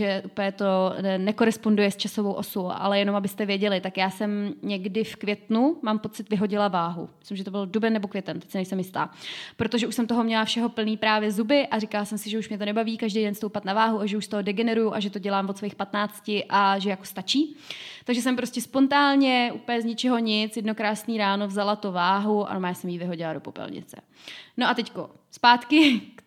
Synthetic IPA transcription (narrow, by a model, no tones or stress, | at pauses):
ʒɛʔupəjɛt̪o̞nɛko̞ɾɛspo̞ndujɛst͡ʃasovowʔo̞soʔa̰lɛjɛnomabɪst̪ɛvjɛɟɛlɪt̪akjaːsɛmɲɛɡdɪfkvjɛt̪numaːmpo̞t͡sɪt̪vɪɦo̞ɟɪlavaːɦṵmɪslɪmʒɛt̪obɪldubɛnːɛbokvʲjɛt̪ɛnt̪ɛ̥csɪnɛjsɛmjɪst̪a̰ːpɾot̪oʒɛʔuʃsɛmt̪oɦo̞mɲɛlafʃɛɦo̞pl̩niːpɾaːvjɛzubɪʔaɾɪkalasɛmsɪʒɛuʃmɲɛt̪onɛbaviːkaʒdejdɛnst̪owpat̪navaːɦuaʒɛuʃst̪oɦodɛɡɛnɛɾujuʔaʒɛt̪o̞ɟɛlaːmvot̪svojixpat̪naːt͡scɪʔaʒɛjakost̪at͡ʃiːt̪aɡʒɛs̬ɛmpɾo̞scɛspo̞nt̪aːlɲɛʔuːpəɲɛzɲɪt͡ʃɛɦo̞ɲɪt͡sjɛdno̞kɾaːsniːɾaːnovzalat̪uvaːɦuʔa̰nomajaːsɛmjiːvɪɦo̞ɟɪlado̞po̞pɛ̰lɲɪ̰t͡sɛ̰ | noʔat̪ɛcko̰spaːt̪kɪ